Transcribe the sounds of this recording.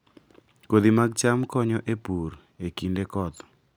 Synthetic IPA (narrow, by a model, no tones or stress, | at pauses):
kod̪imaɡ̚t͡ʃamkɔɲɔʔepuɾ | ekindekɔt̪ɔ̥